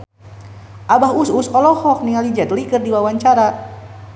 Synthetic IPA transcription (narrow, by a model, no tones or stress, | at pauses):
ʔabaɦususɔlɔhɔk̚nialid͡ʒad̪əliɡərdiwawaɲt͡ʃaɾa